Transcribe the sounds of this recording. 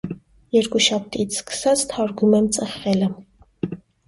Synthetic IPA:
jɛɾkuʃɑp̚t̪it͡sʰskə̥sɑt͡sʰt̪ʰɑɾɡumɛmt͡sʼəχːɛlə

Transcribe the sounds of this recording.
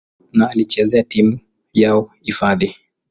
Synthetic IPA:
naːlit͡ʃɛzɛatimu | jaɔ | ifaði

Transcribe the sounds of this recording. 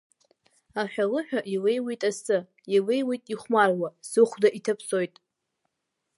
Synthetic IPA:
aħʲᶣalɨħᶣaʔilejwijtʼasɨ | ilejwijtʼiχʷmarwasɨχʷdaʔitʰapʰsojtʼ

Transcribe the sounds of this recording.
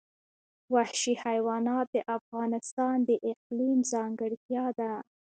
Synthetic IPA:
wahʃihajwɑnɑt̪̚d̪əʔafɣɑnɪst̪ɑnd̪əʔɪq̚limzɑŋɡəɽt̪jɑd̪a

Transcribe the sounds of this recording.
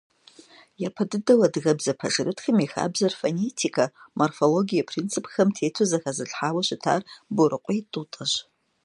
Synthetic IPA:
japʰɐdɨdɐwɐdɣɐbzɐpʰɐʒɨrɨtʰxɨmixa̰ːbzɐrfonetʰikʰɐmʔorfoloɡijɐpʰrint͡sʰɨpʰxɐmtʰeːtʰozɐxɐzɨɬħaːwɐɕɪtʰa̰ːrbʊɾɨqʷʼɔjtʼutʼɐɕ

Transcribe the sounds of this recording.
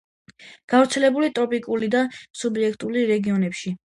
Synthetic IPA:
ɡ̥avɾt̪sʰɛlɛbulit̪ʼɾɔpʼikʼulid̪asubiɛkʰt̪ʼuliɾɛɡiɔnɛpʃi

